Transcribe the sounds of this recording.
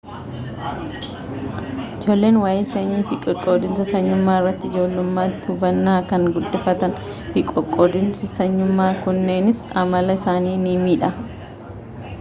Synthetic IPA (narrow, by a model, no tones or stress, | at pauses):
ʔɪd͡ʒo̞ːlːe̞ːnwaːjeːseːɲːɪfɪkʼɔkʼːoːd̪ɪnsɐsɐɲːʊmːaːɪrːɐt̪ːɪɪd͡ʒo̞ːlːʊmːaːt̪ːɪhʊbɐnːaːkɐŋɡʊlːɪfɐt̪ɐn | fɪkʼɔkʼːoːd̪ɪnsɪsɐɲːʊmːaːkʊnːe̞ːnɪsɐmɐlɐɪsaːniːnimiːᶑɐ